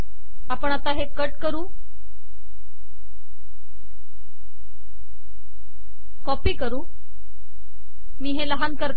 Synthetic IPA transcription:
apəɳat̪aɦekəʈkəɾuː | kɔpiːkəɾuː | miːɦeləɦankəɾ

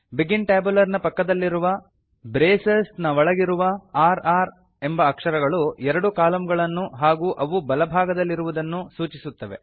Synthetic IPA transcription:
biɡiɳʈaːbulɐɾnɐpɐkːɐd̪ɐlːiɾuʋɐ | bɾeːsesnɐʋɐɭɐɡiɾuʋɐaːɾaːɾ | e̞mbɐːkʂɐɾɐɡɐɭuɛɾɐɽukaːlɐmɡɐɭɐnːuɦaːɡuːʔɐʋubɐlɐbʱaːɡɐd̪ɐlːiɾuʋud̪ɐnːusuːt͡ʃisut̪ːɐʋe̞̰

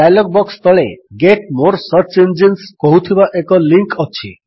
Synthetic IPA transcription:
ajlɔk̚bɔkst̪ʰɔɭeɡeʈmoɾsəɾt͡ʃend͡ʒenskɔɦut̪ʰibaʔekɔliŋkɔt͡ʃʰḭ

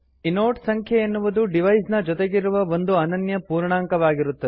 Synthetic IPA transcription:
inoːʈsɐŋkʰjɐenːuʋud̪uɖiʋɐjsnɐd͡ʒɔt̪eɡiɾuʋɐʋo̞nd̪uɐnɐnjɐpuːɾɳaːŋkɐʋaːɡiɾut̪ːɐd̪e

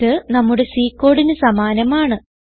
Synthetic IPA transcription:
ɨnɐmːuɽe̞siːkːo̞ːɽinɨsɐmaːnɐmaːɳɨ

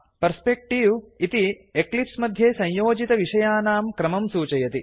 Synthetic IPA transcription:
pɐɾspek̚ʈiʋit̪i | eklipsmɐd̪ʱjeːsɐ̃ɲjoːd͡ʒit̪ɐʋiʂɐjaːnaːmkɾɐmɐmsuːt͡ʃɐjɐt̪i

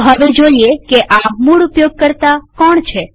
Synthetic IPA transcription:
ɦəʋed͡ʒoiekeʔamuɽupjoɡ̚kəɾt̪akɔɳt͡ʃʰe

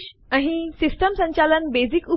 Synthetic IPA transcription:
əɦisisʈəmsə̃ɲt͡ɕalənbed͡ziku

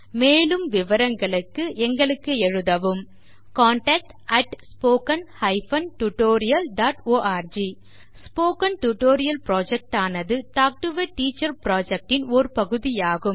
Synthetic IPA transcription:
meːlɯmʋɪʋɐɾɐŋɡɐɭɯkːɯʔɛŋɡɐɭɯkːɯɛɻɯðɐʋɯm | kaːɳʈɐk̚ʈ | ɐʈspoːkɐnhɐɪfɐnʈuʈoːɾɪjɐlɖaːʈoːʔaːɾd͡ʒi | spoːkɐnʈuʈoːɾɪjɐlpɾoːd͡ʒɛk̚ʈaːnɐðɯʈaːk̚ʈɯʋɐʈiːt͡ʃːɐɾpɾaːd͡ʒɛk̚ʈɪnɔɾɯpɐɣɯðɪjaːɣɯm

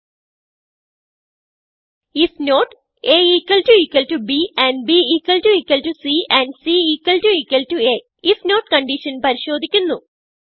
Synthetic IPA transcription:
isnoːʈ | eiːkwɐlʈuiːkwɐlʈubiːæ̃ɳɖ̚biiːkwɐlʈuiːkwɐlʈusiːæ̃ɳɖsiːiːkwɐlʈuiːkwɐlʈue | isnoːʈ̚kɐɳɖiʃɐnpɐɾiɕo̞ːd̪ʱikʲːunːu

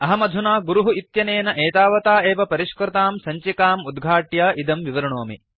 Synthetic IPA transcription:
ɐɦɐmɐd̪ʱunaːɡuɾuɦuit̪jɐneːnɐʔeːt̪aːʋɐt̪aːeːʋɐpɐɾiʃkɾɐt̪aːmsɐɲt͡ʃikaːmud̪ɡʱaːʈjaːʔid̪ɐmʋiʋɐɾɐɳoːmḭ

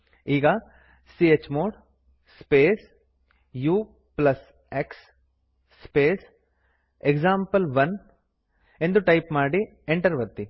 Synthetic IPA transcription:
iːɡɐ | siet͡ʃːmoːɽ | speːs | juː | plɐs | eksː | peːs | ekd͡ʒaːmpɐlʋɐn | e̞nd̪uʈɐjpmaːɽi | eɳʈɐɾʋɐt̪ːi

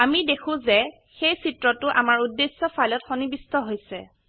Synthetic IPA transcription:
amidekʰʊ̃zɛ | xejsitɹɔtʊʔa̰maɹudːesːɔfʰalɔtxɔnibistɔɦojsɛ̰

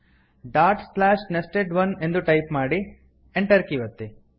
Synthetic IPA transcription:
ɖaːɾʈslaːʃnesʈeɖʋɐne̞nd̪uʈɐjpmaːɽi | eɳʈɐɾkiʋɐt̪ːi

